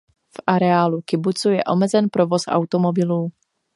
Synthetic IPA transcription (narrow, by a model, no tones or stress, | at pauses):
fʔaɾɛaːlukɪbut͡sujɛʔo̞mɛzɛnpɾovo̞sʔa̰wt̪omobɪluː